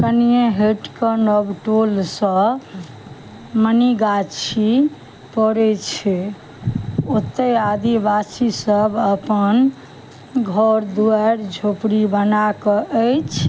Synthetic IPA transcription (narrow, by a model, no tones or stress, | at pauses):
kənijeɦeʈkənɔbʈolsə̃ | məniɡat͡ʃʰi | pɔɾɛt͡ʃʰɛ | ot̪ːəad̪ibasisəbəpən | ɡʱɔɾd̪uəɾd͡ʒʱopɽibənakɔʔəjt͡ʃʰ